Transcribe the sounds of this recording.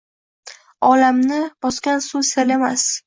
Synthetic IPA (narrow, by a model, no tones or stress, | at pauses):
ɒlamnɪbɒskʲansuselemas